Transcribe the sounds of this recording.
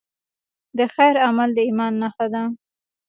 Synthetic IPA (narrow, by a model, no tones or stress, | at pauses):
d̪əxajɾamald̪əimɑnːaxad̪a